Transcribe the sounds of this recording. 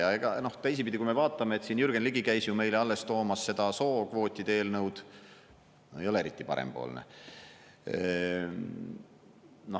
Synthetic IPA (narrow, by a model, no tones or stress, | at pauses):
ɑeɡ̥ɑno̞ht̪æjs̬ipid̪ʲikujmevɑːt̪ːˑɑmeet̪sinjyrɡ̥enliɡikæjsjume̞jleɑlːe̞st̪o̞ːmɑsse̞d̪̥ɑso̞ːkvo̞ːt̪ʲːˑid̪̥eeːlnɤwd̪̥ | oejo̞leeɾit̪ːˑipɑ̰ɾḛmpo̞̰ːlnḛ | no̞